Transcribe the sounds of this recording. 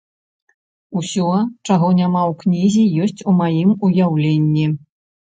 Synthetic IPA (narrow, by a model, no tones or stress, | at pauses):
usʲɔt͡ʂaɣɔnʲamawknʲizʲijɔsʲt͡sʲumajimujawlʲenʲːi